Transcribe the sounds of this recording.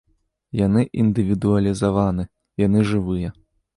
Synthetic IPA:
janɨʔind̪ɨvʲid̪uɐlʲizavanɨ | janɨʐɨvɨjɐ

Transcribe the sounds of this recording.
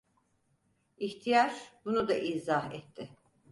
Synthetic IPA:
içt̪ʰijaɾbunud̪aʔizaɦɛt̪ʰːɪ

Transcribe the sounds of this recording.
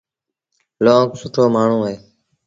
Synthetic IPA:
loːksʊt̪ʰoːmaːɳ̤ũːɦeː

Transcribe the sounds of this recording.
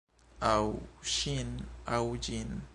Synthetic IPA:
awʃinawd͡ʒin

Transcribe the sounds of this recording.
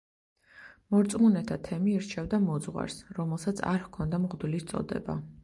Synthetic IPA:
mɔɾt̪sʼmunɛt̪ʰat̪ʰɛmiiɾt͡ʃʰɛvd̪amɔd̪zʁwa̰ɾsɾɔmɛlˠsat̪sʰa̰ɾhkʰɔnd̪amʁd̪ulist̪sʼɔ̰d̪ɛ̰ba̰

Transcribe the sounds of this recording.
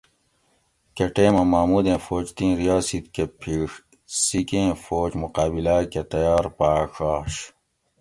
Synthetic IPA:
keʈeːmɐmaːmuːd̪ẽːfoːt͡ʃt̪ĩːɾijaːsit̪kepʰiːʂ | sikẽːfoːt͡ɕmuqaːbilaːket̪ɐjaːɾpaːkaːɕ

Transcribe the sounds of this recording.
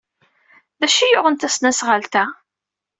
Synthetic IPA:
ðæʃijʊʁənt̪æsnæsʁəlt̪æ

